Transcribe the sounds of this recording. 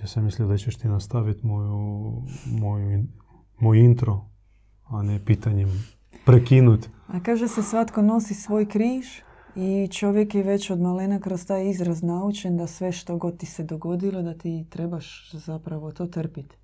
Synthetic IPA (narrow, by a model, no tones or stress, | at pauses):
jaːsemislʲiod̪at͡ɕeʃt̪inast̪aʋit̪moju | mojui | mojint̪ɾo | anepit̪aɲim | pɾekinut̪ʲakaːʒesesʋat̪ko̞no̞sisʋo̞ːjkɾiːʒ | it͡ʃo̞ʋje̞kjeʋe̞t͡ɕo̞d̪malenakɾost̪aːjizɾaznaut͡ʃend̪asʋe̞ʃt̪o̞ɡo̞d̪̚t̪ːise̞d̪o̞ɡo̞d̪ilod̪at̪it̪ɾe̞baʃzapɾaʋo̞t̪o̞ːt̪r̩pit̪